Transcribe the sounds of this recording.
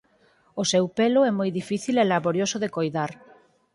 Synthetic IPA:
osewpelʊɛmojðifiθilɛlaβoɾjosʊðekojðaɾ

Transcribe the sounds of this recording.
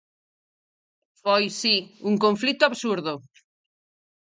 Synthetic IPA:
fojsiuŋkõɱflit̪ʊaβsuɾðo

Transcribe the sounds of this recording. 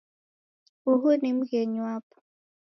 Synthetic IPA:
uɦunim̩ɣɛɲwapɔ̥

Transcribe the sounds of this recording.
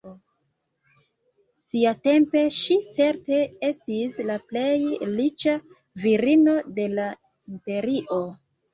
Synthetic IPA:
siate̞mpe̞ʃit͡se̞ɾte̞e̞stislaple̞jlit͡ʃa | viɾino̞de̞la | impe̞ɾiʔo̞

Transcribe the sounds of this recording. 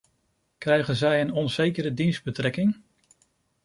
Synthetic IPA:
krɛjχənzɛjənɔnzejkəɾədinzd̚bətrɛkɪŋ

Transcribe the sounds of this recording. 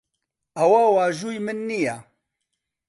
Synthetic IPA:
ɐwaːwaːʒujmɨnːija

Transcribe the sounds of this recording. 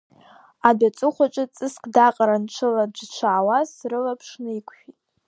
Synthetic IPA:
adat͡sʼɨχʷaʈ͡ʂʼɨt͡sʼɨskʼdaqʼaɾant͡ʃʷʰɨlad͡ʒʷt͡ʃʷʰaʕawasrɨlapʰʂnɨikʷʰʼʃᶣitʼ

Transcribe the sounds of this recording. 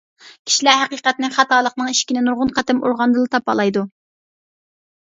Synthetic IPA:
kʲʰi̥ʃilæɦæqiːqɛt̪̚nɪkʲχɑt̪ɑːlˠəqnɨŋiʃkʲinɪnuɾʁʊnqʰɑt̪ɛmoɾʁɑnd̪ɨlˠɨt̪ʰɑpɑ̰lˠɑjd̪u

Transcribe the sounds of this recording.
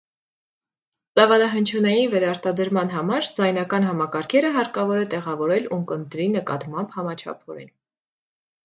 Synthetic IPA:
t͡sɑvɑlɑɦənt͡ʃʰjunɑjinvɛɾɑɾt̪ɑd̪əɾmɑn̪ɦɑmɑɾd͡zɑjnɑkɑnɦɑmɑkɑɾkʰɛɾəɦɑɾkɑvɔɾɛt̪ɛʁɑvɔɾɛluŋkənt̪ɾinəkɑ̰t̪mɑmbhɑmɑt͡ʃʰɑ̰pʰɔɾɛ̰n

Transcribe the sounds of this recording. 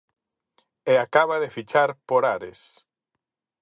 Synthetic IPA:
eakaβaðefit͡ʃaɾpoɾaɾḛs

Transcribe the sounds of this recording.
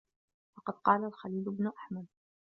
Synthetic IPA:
fɑqɑd̪̚qɑːlalxaliːlʊbnʊʔaħmad̪̚

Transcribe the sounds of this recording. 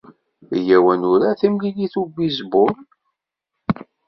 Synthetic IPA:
jæwænʊɾaθimliliθubizbʊɾ

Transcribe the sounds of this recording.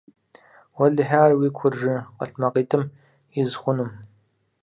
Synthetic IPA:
wɐɮɨħaːrwiːkʷʰʊrʒɨqə̰ɬmɐqiːtʰɨm | ɪzχʷʊnɨm

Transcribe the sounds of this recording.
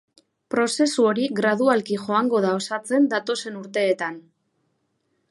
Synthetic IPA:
pɾo̞se̞suoɾiɣɾað̞ualkiʝo̞aŋɡo̞ðao̞sat͡se̞nd̪at̪o̞se̞nuɾt̪e̞ːt̪an

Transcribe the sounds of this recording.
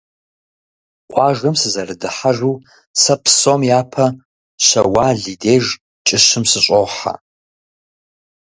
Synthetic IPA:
qʷʼɑːʒɐmsɨzɐrɨdɨħaʒʷuː | sɐpʰsomjaːpʰɐ | ɕɐwaːɮideːʒ | t͡ʃʼɪɕɨmsɨɕʼowħa̰

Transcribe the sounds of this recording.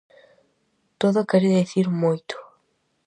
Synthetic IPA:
t̪oðokɛɾeðeθiɾmojt̪o̥

